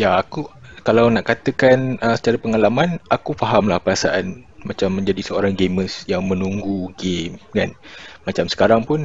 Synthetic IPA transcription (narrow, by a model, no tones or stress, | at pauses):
jaakukalawnaʔkat̪əkanəsə̥t͡ʃaɾəpəŋalamãnakufaɦamlahpəɾasa̰ʔan | mat͡ʃamːə̃ɲd͡ʒadisəoɾaŋɡeməsjaŋmə̃nuŋɡuɡemkanmat͡ʃamsə̥kaɾaŋpʊn